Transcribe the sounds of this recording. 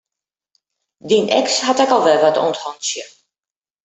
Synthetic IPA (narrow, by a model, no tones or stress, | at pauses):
dinʔɛ̰kshatɛkɔlˠʋɛlˠʋato̰nthɔnsjə